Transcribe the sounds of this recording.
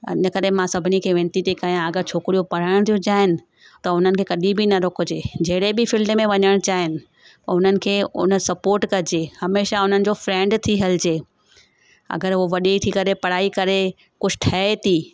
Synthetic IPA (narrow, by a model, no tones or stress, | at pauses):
ɪ̰nə̆kɐɾemãsɐbʱɪnikʰeːʋẽːnt̪it̪ekajãɐɡəɾt͡ɕʰoːkɾijopɐɽ̤əɽ̃t̪ʰijud͡ʑaːɦɪnɪ̆ | t̪ɐʊn̤ənɪ̆kʰeːkɐɗibɪnɐɾʊkʊd͡ʑeːd͡ʑɐɦɪɽebɪfɪlɖmẽʋɐɲəɽ̃t͡ɕaːɦɪnɪ̆ | pɐʊn̤ənɪ̆kʰeːʊ̰n̤əsɐpoːɾʈkɐɾɪd͡ʑeːhɐmeːʃaʊn̤ənɪ̆d͡ʑoːfɾɛ̃ːɳɖt̪ʰiɦɐlɪd͡ʑeː | ɐ̰ɡəɾoʋɐɗit̪ʰikɐɾepɐɽ̤aːikɐɾe | kʊd͡ʑʰʱɪ̥ʈʰɐet̪ʰiː